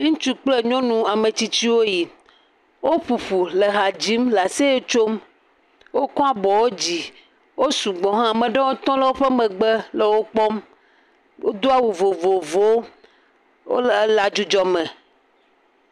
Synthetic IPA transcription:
ŋũ˦t͡ʃu˦k͡plɛ˦ɲɔ̃˦nũ˨a˨mẽ˨t͡ɕi˦t͡ɕi˦wo˦ji˨ | wo˦ɸu˨ɸu˨lə˨ɦa˨d͡ʑi˨˦mla˨se˦je˦t͡ʃo˦m | wo˦kɔ̃˦a˦bɔ˨wo˦d͡ʑi˨ | wo˦su˨ɡ͡bɔ̃˨ɦã˦a˨mə̃˨ɖɛ˦wo˦t̪ɔ̃˦lə˦wo˦ɸɛ˦mɛ̃˨ɡ͡bɛ˦lə˨wo˦k͡pɔ˦m | wo̰˦d̪o˦a˦wu˨vo˨vo˨vo˦ | wo̰˦lla˨d͡ʒu˦d͡ʒɔ˨mɛ̃˨

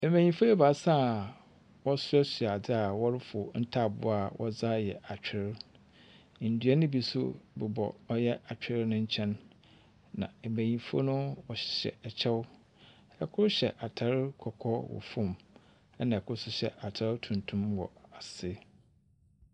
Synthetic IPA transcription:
ɛ˨mæ̃˨ɲĩ˨fo˦ɛ˦ba˨sa˦˨ | wɔ˦sʊ˦ɛ˦sɥa˨dɪ˦a˨wɔ˦ɾɪ˦fʊ˨n̩˦tʰa˦˨bʊ̰˦a˨wʔɔ̰˦za˦jɛ˨ʔa˨t͡ɕᶣɪ˨˦ɾ | n̩˨dɥa˦nʊ̃˦bi˦sʊ̰˦bɛ˨bɔ̰˨ɔ˦jɛ˦ʔa˨t͡ɕᶣɪ˦ɾɪ˦nʊ̃˦ɲ̩˦t͡ɕʰɛ̃˦nː | ã̰˨ɛ˨mæ̃˨ɲĩ˨fo̰˦nʊ̃˦wɔ˨ɕɪ̥˨ɕɛ̰˨ɛ˨t͡ɕʰɛ˦w | ɛ˨kʰʊ˦ɾɕɛ˨ʔa˨tʰa˨ɾɪ˦kʰɔ˨kʰɔ˦wɔ̰˨fʊ̃˦˨m | ɛ˦nã˨ɛ˨kʰʊ˦ɾsʊ˦ɕɛ̰˨ʔa˨tʰa˦ɾtʰũ˨ntʰũ˦mwɔ̰˨a˨sɪ˦

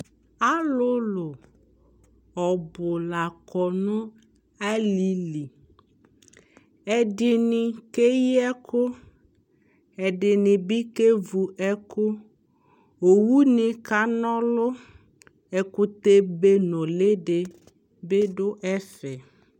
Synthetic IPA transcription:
a˦lʊ˦lʊ˨ | ɔ˨bʊ˨la˨kɔ˨nʊ̃˦ | a˦li˨li˨ | ɛ˨dɪ˨nɪ̃˨ke˦jɛ˦kʊ˦ | ɛ˨dɪ˨nɪ̃˨bi˦ke˦vu˨ʔɛ˦kʊ˦ | o˨wu˦nɪ̃˨ka˦nɔ̃˦lʊ˦ | ɛ˨kʊ˦t̪e˦be˦nɔ̃˨le˦dɪ˨ | be˦dʊ˦ʔɛ˦fɛ˨

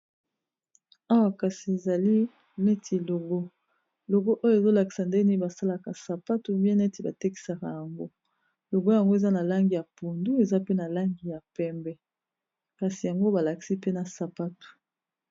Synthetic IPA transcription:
a˦wa˨ka˨si˨e˨za˨li˦ | nɛ˦tʰi˨lo˨ɡo˦ | lo˨ɡo˦ʔo˦jo˦e˨zo˦la˨ki̥˨sa˨nde˦ni˦ba˨sa˦la˨ka˨sa˨pa˦tu˦bjɛ˦nɛ˦ti˨ba˨te˦ki̥˨sa˨ka˨ja˨ŋɡo˦ | lo˨ɡo˦ja˨ŋɡo˦e˨za˦na˨la˦ŋɡi˨ja˨pu˨ndu˦e˨za˦pe˦na˨la˦ŋɡi˨ja˨pɛ˦mbɛ˦ | ka˨si˨ja˨ŋɡo˦ba˨la˨ki̥˨si˦pe˦na˨sa˨pa˦tu̥˨

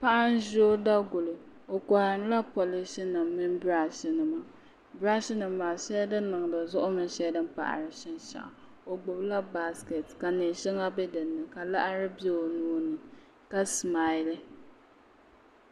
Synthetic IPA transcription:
pa˦ʔa˦n˦ʒo˦da˦ɡʊ˨lɨ˨ | o˨kɔ˨hɪ˨m˦la˦po˨lɪ˦si˦nɨ˨mːɨ˦nbɾa˦ʃɪ˨nɨ˨ma˨ | bɾa˦ʃɪ˦nɨ˨mːaː˨ʃɛ˦dɨ˦nː˦ɨ˨ŋ˨dɨ˨zʊ˦ʔʊ˦mɨ˦nʃɛ˦dɨ˦n˦pa̰˨ʔa̰˨ɾɨ˨ʃɛ˦nʃa̰˨ʔ | o˨ɡ͡bʊ˨bla˦ba˦ske˨tka˨ne˨ʃɛ˦ŋa˦bɛ˦dɨ˨nːɨ˨ka˨la˦ʔa˦ɾɨ˦bi˦a˦˨o˨nuː˦nɨ˨ | ka˦sma˦ɪ˦lɨ˦

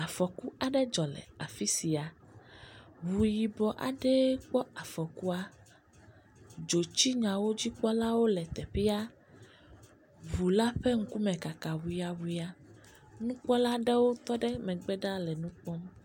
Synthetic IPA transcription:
a˨fɔ˨ku˦a˨ɖɛ˦d͡ʒɔ˨lɛ̰˨a˨fi˦si˨a˨ | βu˨ji˨bɔ˨ʔa̰˨ɖɛ˦k͡pɔ˦a˨fɔ˨ku˦a˦ | d͡ʒo˨t͡ɕi˦ɲã˨wo˦d͡ʑi˦k͡pɔ˦la˦wo˦lɛ˨t̪ɛ˨ɸi˦a˦ | βu˨la˦ɸɛ˦ŋ̩˦ku˦mɛ̃˨ka˨ka˨wu˨i˨˦a˨wu˨i˨˦a˦ | nũ˦k͡pɔ˦la˦ɖɛ˦wo˦t̪ɔ˦ɖɛ˦mɛ̃˨ɡ͡bɛ˦ɖa˦lɛ˨nũ˦k͡pɔ˦m

